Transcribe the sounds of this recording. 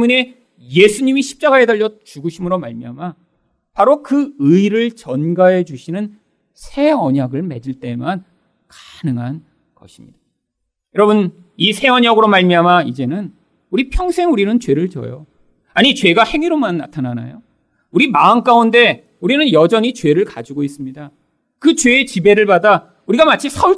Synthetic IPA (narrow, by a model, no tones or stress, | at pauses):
emune̞ | je̞sʰuɲimiɕʰi̥p̚t͡ɕ͈aɡaɦedaʎːʌt͡ɕuɡɯɕʰimɯɾomaɭmiama | paɾokɯɯiɾɯɭt͡ɕʌnɡae̞d͡ʑuɕʰinɯn | sʰe̞ʌɲaɡɯɭme̞d͡ʑiɭt͈e̞man | kḁnɯŋɦan | kʌ̰ɕʰi̥mɲid̥a | jʌɾʌbɯn | isʰe̞ʌɲʌɡɯɾomaɭmiamaid͡ʑe̞nɯn | uɾipʰjʌŋsʰe̞ŋuɾinɯnt͡ɕwe̞ɾɯɭt͡ɕʌ̰jo | aɲit͡ɕwe̞ɡahe̞ŋiɾomanːa̰tʰanana̰jo | uɾimaːnk͈aunde̞ | uɾinɯnjʌd͡ʑʌɲit͡ɕwe̞ɾɯɭkad͡ʑiɡois͈ɯmɲida | kɯt͡ɕweːt͡ɕibe̞ɾɯɭpada | uɾiɡamat͡ɕʰisʰauɭ